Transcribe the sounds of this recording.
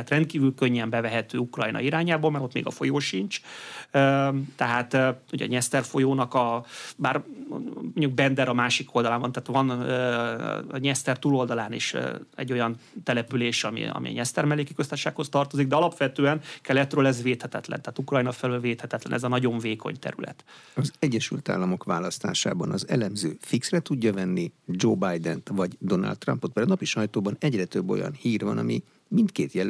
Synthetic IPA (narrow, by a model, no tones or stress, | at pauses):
at̪rɛnt̪kiːvylkøɲːɛmbɛvɛɦɛt̪ø̰ːukrɒjnɒ̰iɾaːɲaːbolmɛɾo̞t̪mḛːɡɒfo̞̰joːʃint͡ʃøːt̪ɛɦaːt̪øuɟɛɒ̰ɲɛst̪ɛrfo̞joːnɒkɒbaːr | moɲːuɡ̚bɛnd̪ɛɾɒmaːʃiko̞ld̪ɒlaːmvɒnt̪ɛaːt̪ʋɒnøː | ɲɛst̪ɛrt̪uːlo̞ld̪ɒlaːnḛːʃɛ̰ɟːo̞jɒnt̪ɛlɛpyleːʃɒmḭɒ̰mḭɒ̰ɲɛst̪ɛrmɛlːeːkikøst̪aːʃaːkho̞st̪ɒrt̪o̞ziɡ̚d̪ɛɒlɒpʋɛt̪øːɛnkɛlɛt̪røːlɛzveːt̪hɛt̪ɛt̪lɛ̰nt̪aːt̪ukrɒjnɒfɛlylveːt̪hɛt̪ɛt̪lɛ̰nɛzɒnɒɟo̞ɱveːko̞̰ɲt̪ɛ̰ɾy̰lɛ̰t̪ɒzɛɟːɛʃylt̪a̰ːlːɒmo̞kʋaːlɒst̪aːʃa̰ːbɒnɒzɛlɛmzøːfiksrɛt̪uɟːɒvɛnːid͡ʒoːbajd̪ɛnt̪vɒɟd̪o̞na̰lt̪ːrɒmpot̪̚pɛɾnɒpiʃɒjt̪oːbɒnɛɟrɛt̪øbːo̞̰jɒ̰nhiːrvɒ̰nɒ̰mi | mint̪kḛːt̪jɛl